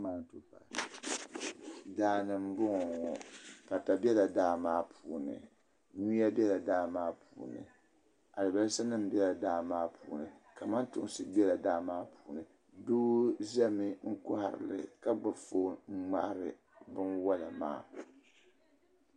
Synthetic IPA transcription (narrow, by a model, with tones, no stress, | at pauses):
maː˦˨n˨tu˦fa̰˨ | daː˦nɨ˨m˦bʊ˦ŋɔ˨ŋɔ˨pa˨ta˨bɛ˦la˨daː˦maː˦pʰuː˨nɨ̰˨ | ɲu˦ja˦bɛ˦la˨daː˦maː˦pʰuː˨nɨ̰˨ | a˨lɨ˨ba˨lɨ˦sa˦nɨ˦m̩˦bɛ˦la˨daː˦maː˦pʰuː˨nɨ˨ka˨ma˦ntʊ˦ŋ˦sɨ˦bɛ˦la˨daː˦maː˦pʰuː˨nɨ˨ | duː˦zɛ˦mi˦ŋ̩˦kɔ˦ha̰˨ɾɨ̰˨lɨ̰˨ka˦ɡ͡ba˨fo˦ŋ̩˦ŋ͡ma̰˦ʔɾɨ˨ | bɨ˦nwa˦la̰˨ma̰ː˦˨